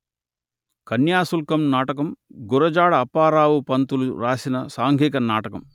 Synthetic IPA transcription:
kɐnjaːsulkɐmnaːʈɐkɐmɡuɾɐd͡ʒaːɽɐːpaːɾaːwupɐnt̪uluɾaːsinɐsaːŋɡʱiːkɐnaːʈɐkɐm

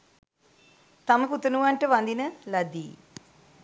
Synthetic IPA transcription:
t̪aməput̪ɐnuʋaɳʈəʋand̪inəlɐd̪ḭː

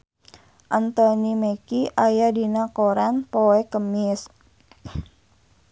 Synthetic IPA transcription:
ʔant̪onimekiʔajadinakoɾanpoekəmɪs

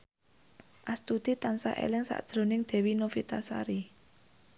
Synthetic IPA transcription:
ʔast̪ud̪̥it̪ansa̰ʔḛlɪŋsa̰ʔd̥ʒ̥ɾo̤nɪŋd̪̥ɛ̤winofit̪asa̰ɾi

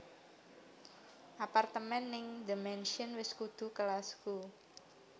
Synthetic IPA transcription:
ʔapart̪əmɛnːɪŋdimɛnʃiənwɪskud̪̥ṳkəlasku

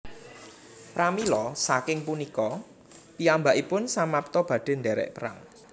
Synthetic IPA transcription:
pɾamilɔsakɪŋpunikɔ | piambaʔipʊnsamap̚t̪ɔb̥ä̤ɖ̥e̤nɖɛɾɛ̰ʔpəɾa̰ŋ

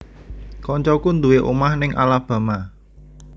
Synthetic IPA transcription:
kɔɲt͡ʃɔkund̪ṳweʔṵmahnɪŋʔa̰lab̥a̤ma

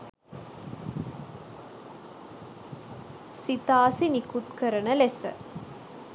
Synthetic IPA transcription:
sit̪aːsinikut̪kəɾənəlesə̰

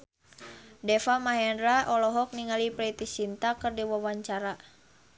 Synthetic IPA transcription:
dɛfamaɦɛnɾaʔɔlɔɦɔk̚niŋalipɾɛt̪isint̪akɨrdiwawaɲt͡ʃaɾa

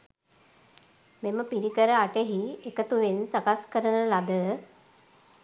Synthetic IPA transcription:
meməpiɾikəɾəaʈeɦiekət̪uʋensakaskəɾənəlad̪ə

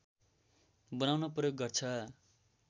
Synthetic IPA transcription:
bʌnawnʌprʌjoɡːʌrt͡sʰʌ

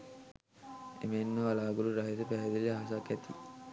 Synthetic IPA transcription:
ḛmenːoalaːɡuluɾaɦit̪əpæɦed̪ileɦasakːæt̪i

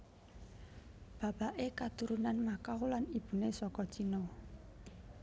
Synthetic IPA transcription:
b̥a̤b̥aʔekat̪uɾunanmakawlanib̥ṳnesɔkɔt͡ʃinɔ

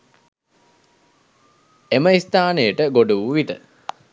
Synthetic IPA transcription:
eməist̪aːnejəʈəɡoɖuʋuʋit̪ə

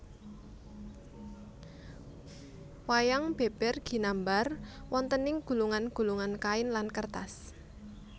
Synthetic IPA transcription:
wajaŋb̥e̤b̥ɛrɡ̥i̤nambarwɔnt̪ənɪŋɡ̥ṳluŋanɡ̥ṳluŋankaɪnlankərt̪as

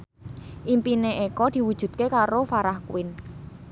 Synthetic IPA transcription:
ʔimpineʔekɔd̪̥i̤wud̥ʒ̥ṳt̪̚kekaɾofaɾahkwɪn

